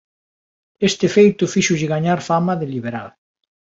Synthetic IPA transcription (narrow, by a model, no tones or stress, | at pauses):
est̪efejt̪ʊfiʃʊʒɪɣaɲaɾfamɐðeliβ̞eɾa̰l